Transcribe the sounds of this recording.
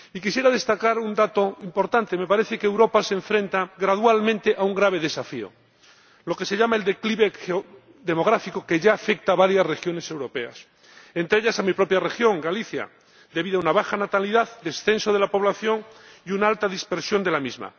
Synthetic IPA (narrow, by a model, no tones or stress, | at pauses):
ikisje̞ɾað̞e̞st̪akaɾund̪at̪o̞impo̞ɾt̪ant̪eme̞paɾe̞θe̞keːwɾo̞paseɱfɾẽ̞nt̪aɣɾaðwalmẽnt̪e̞ʔauŋɡɾaβ̞e̞ðe̞safio̰ | lo̞ke̞se̞ʎamae̞ld̪e̞kliβe̞xeo | ðe̞mo̞ɣ̞ɾafiko̞ke̞ʝaːfe̞k̚t̪aβaɾjasre̞xjo̞ne̞se̞wɾo̞pe̞a̰s | ent̪ɾeeʎasamipɾo̞pjare̞xjo̞ŋɡaliθja̰ | d̪e̞βiðoaunaβaxanat̪aliðaðd̪e̞sθe̞nsoð̞e̞lapo̞βlaθjo̞ŋiunaalt̪aðispe̞ɾsjo̞nd̪e̞lamizma̰